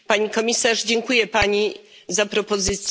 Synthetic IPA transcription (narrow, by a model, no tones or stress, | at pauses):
paɲikɔmʲisaʐd͡ʑɛŋkujɛpaɲi | zapɾɔpɔzɘt̪sʲ